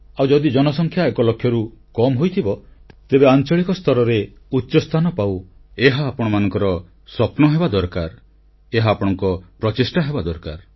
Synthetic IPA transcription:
awd͡ʒɔd̪id͡ʒɔnɔsɔŋkʰjaekɔlɔkʰːjɔɾukɔmɦojt̪ʰibɔ | t̪ebeant͡ʃɔɭikɔst̪ʰɔɾɔɾe | utːʃɔst̪ʰanɔpaweɦaːpɔɽ̃ɔmanɔŋkɔɾɔ | sɔpnɔɦebad̪ɔɾkaɾ | eɦaːpɔɽ̃ɔŋkɔpɾɔt͡ʃisʈaɦebad̪ɔɾkaɾ

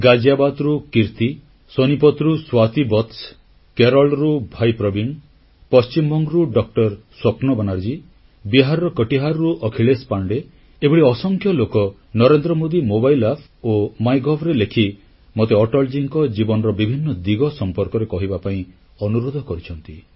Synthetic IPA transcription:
ɡad͡ʒabad̪ɾukiɾt̪i | sonipɔt̪ɾuswat̪ibɔt̪s | keɾɔlɾubʱajpɾɔbiŋ | pɔst͡ʃimɔŋɡɾuɖɔk̚ʈɔɾswɔpnɔbanaɾd͡ʒi | biɦaɾɔɾɔkəʈiɦaɾɾuʔɔkʰiɭespaɳɖe | ebuɽiɔsɔŋkʰjɔlokɔ | nɔɾend̪ɾɔmod̪imobajlapʰomajɡɔbɾelekʰi | mot̪eɔʈɔɭd͡ʒiŋkɔd͡ʒibɔnɔɾɔbibʱinːɔd̪iɡɔsɔmpɔɾkɔɾekɔɦibapaĩ | ɔnuɾod̪ʱɔkɔɾit͡ʃʰɔnt̪i

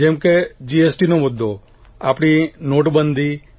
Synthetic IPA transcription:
d͡ʒɛmked͡ʒiesʈinomʊd̪ʱːo | a̰pɽ̃inoʈbənd̪ʱi

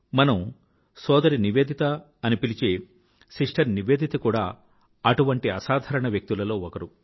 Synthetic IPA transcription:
mɐnɐm | sɔːd̪ɐɾiniʋeːd̪ʱit̪ɐː | nipilit͡ʃeː | siʂʈʰɐɾniʋe̞ːd̪ʱit̪ɐkuːɽa̰ː | ɐʈuʋɐɳʈiɐsaːd̪ʱɐɾɐɳɐʋjɐk̚t̪ilɐlo̞ːɔkɐɾu

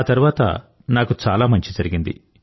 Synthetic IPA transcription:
aːt̪ɐɾuʋaːt̪ɐ̰ | naːkut͡ʃaːlaːmɐɲt͡ʃid͡ʒɐɾiɡind̪ḭ

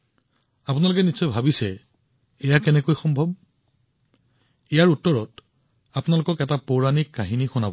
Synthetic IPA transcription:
apʊnalʊkɛnisɔjbʱabisɛː | jakɛnɛkojxɔmbʱɔb | ejaɹutːɔɹɔt | apʊnalokɔkɛtapoɹanikːaɦinixʊnabɔ

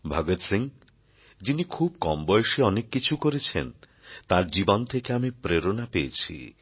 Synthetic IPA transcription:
bʱaɡot̪siŋ | d͡ʒinikʰub̚kɔmbɔjʃiɔnekːit͡ʃʰukoɾet͡ʃʰḛn | t̪aɾd͡ʒibɔnt̪ʰekeamipɾeɾonapeet͡ʃʰḭ

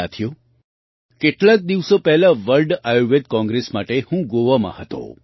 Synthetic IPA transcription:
at̪ʰijo | keʈlak̚d̪iʋsopɛɦlaʋəlɖajoʋed̪̚kɔ̃ŋɡɾesmaʈehũɡoʋamã̰hət̪õ̰

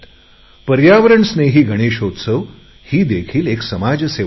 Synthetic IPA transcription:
pəɾjaʋəɾəɳsneɦiːɡʱəɽ̃eɕɦot̪səʋ | hiːd̪ekʰiːleksəmad͡ʑse

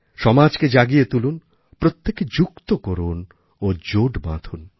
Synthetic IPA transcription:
ʃɔmad͡ʑked͡ʑaɡijet̪ulun | pɾot̪ːeked͡ʑukt̪okoɾun | od͡ʑoɖbã̰d̪ʰʱun

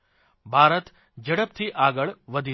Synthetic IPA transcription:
bʱaːɾət̪ | d͡ʒəɽəp̚t̪ʰiʔaːɡəɭʋəd̪ʱi

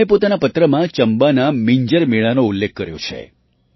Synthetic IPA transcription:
epot̪anapət̪ɾəmãt͡ʃəmbanamiɲd͡ʒəɾmiɭanoulːek̚ʰkəɾjo̰t͡ʃʰḛ

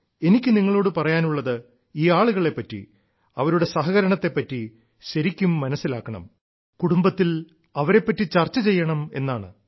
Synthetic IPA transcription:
e̞nikʲːɨniŋːɐɭo̞ːɽɨpɐrɐjaːnuɭːɐðɨ | iːaːɭuɣɐɭe̞pːɐtːḭ | ɐʋɐɾuɽe̞sɐɦɐɣɐɾɐɳɐt̪ːe̞pːɐtːi | ɕɐɾikʲːumːɐnɐsːilaːkːɐɳɐ̰m | kuɽumbɐt̪ːil | ɐʋɐɾe̞pːɐtːit͡ɕɐrt͡ɕːɐt͡ɕe̞jːɐɳɐme̞nːaːɳɨ

